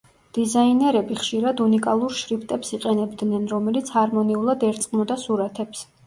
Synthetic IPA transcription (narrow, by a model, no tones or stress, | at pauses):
d̪̥izainɛɾɛbiχʃiɾad̪unikʼalˠuɾʃɾipʰt̪ʼɛpsiqʼɛnɛbd̪nɛnɾɔmɛlit̪sʰhaɾmɔniulˠad̪ɛɾt̪sʼqʼmɔd̪asuɾat̪ʰɛps